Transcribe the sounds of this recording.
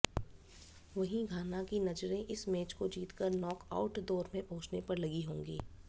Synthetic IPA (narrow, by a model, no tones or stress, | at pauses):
ʋɐɦĩɡʱaːnakinɐd͡ʒɾẽʔɪsmeːt͡ʃkod͡ʒiːt̪kəɾnɔːka̰ːʊʈd̪ɔːɾmẽpɐɦʊt͡ʃnepɐɾlɐɡiɦõːŋɡḭː